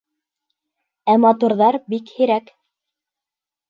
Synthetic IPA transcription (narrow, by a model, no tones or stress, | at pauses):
æmɑt̪uɾðɑɾbikhiɾæk